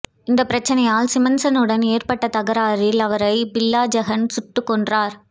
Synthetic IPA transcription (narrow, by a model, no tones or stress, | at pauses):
ɪnd̪ɐpːɪɾɐt͡ʃːɐnɐjaːlsɪmɐnsɐnɯɽɐneːɾpɐʈːɐt̪ɐɣɐɾaːɾɪlɐʋɐɾɐɪbɪlːaːd͡ʒɐɣɐnsʊʈːɯkːɔɳdraːɾ